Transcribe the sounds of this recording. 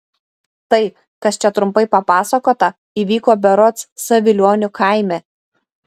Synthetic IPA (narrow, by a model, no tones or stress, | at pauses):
t̪ɐɪ | kɐst͡ʃʲɛt̪ɾʊmpɐɪpɐpɑːsɐkoːt̪ɐ | iːʋʲiːkoːbʲɛɾɔt̪ssɐʋʲɪlʲoːnʲʊkʰɑˑɪmʲe